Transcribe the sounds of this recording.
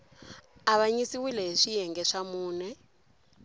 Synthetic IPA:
aβaɲisiwilɛɦiʂijɛŋɡɛʂamuːnɛ

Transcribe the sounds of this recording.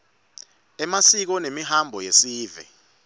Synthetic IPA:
ɛmasik̬ɔnemiɦambʱɔjesiːvɛ̰

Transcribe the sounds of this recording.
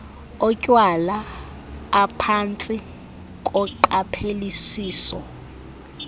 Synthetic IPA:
ɔcʼwalaː | pʰant͡sʼi | kʼɔǃapʰelisiːsɔ

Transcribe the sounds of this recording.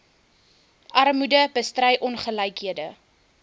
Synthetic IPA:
ʔɐrmudəbəstrɛjʔɔnχəlɐjkɦiədə

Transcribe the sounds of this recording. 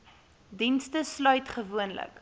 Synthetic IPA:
dinstəslœɥtχəvuənlə̰k

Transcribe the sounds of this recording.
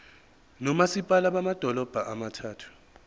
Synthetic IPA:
nɔmasipʼalaɓamad̥ʱɔlɔb̥ʱaʔamatʰaːtʰu̥

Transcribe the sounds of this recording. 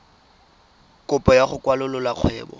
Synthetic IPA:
kʼʊpʼɔjaχʊkʼwalʊlʊlaq͡χʰwɛːbɔ̰

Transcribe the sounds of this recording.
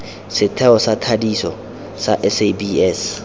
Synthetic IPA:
sɪtʰɛɔsatʰadisɔ | sa̰ʔɛsebiɛs

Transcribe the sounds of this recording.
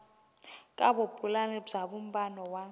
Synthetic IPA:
kʼaɓopʼulanɛb͡ʐaɓum̩banɔwa

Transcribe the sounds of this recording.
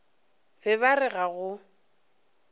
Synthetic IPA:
bɛβarɪɣaɣʊ

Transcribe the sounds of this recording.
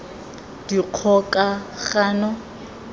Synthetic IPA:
d̥iq͡χʰɔkʼaχaːnɔ

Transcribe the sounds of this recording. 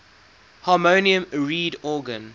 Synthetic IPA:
hɑːmoːniə̃mɹiːdɔːɡə̃n

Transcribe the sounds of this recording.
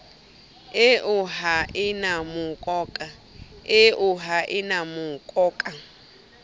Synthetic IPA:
ɪʔʊɦaʔɪnamukʼɔːkʼa | ɪʔuɦaʔɪnamukʼɔːkʼa

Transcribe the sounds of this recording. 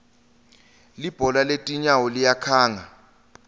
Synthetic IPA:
lib̥ʱɔlaletʼiɲawɔlijakʰaːŋa

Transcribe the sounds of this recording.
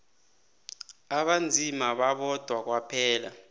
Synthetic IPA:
aɓand͡zʱimaɓaɓɔd̥ʱwak̬wapʰɛːla̰

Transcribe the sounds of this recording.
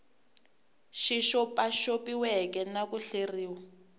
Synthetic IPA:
ʃiʃɔpaʃopiwɛkɛnakuɬeriːwa

